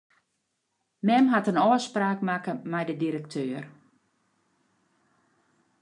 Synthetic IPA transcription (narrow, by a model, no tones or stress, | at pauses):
mɛmɦatənɔəspraːkmakəmɛjdədiɾək̚tʰøːər